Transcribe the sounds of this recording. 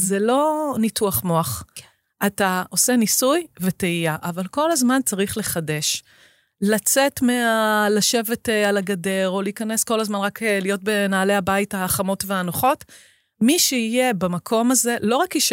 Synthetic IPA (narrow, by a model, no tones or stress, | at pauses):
zelo̞nituaχmo̞aχ | ʔatao̞se̞nisujveteijaʔavalko̞lazmant͡saʁiχle̞χade̞ʃ | lat͡se̞tmealaʃe̞vetalaɡade̞ʁo̞liːkɐne̞sko̞lazmanʁaklijo̞t̚be̞naːle̞abaitaːχamo̞tveanoχo̞t | miʃeije̞bamakʰo̞maze̞lo̞ʁakiʃ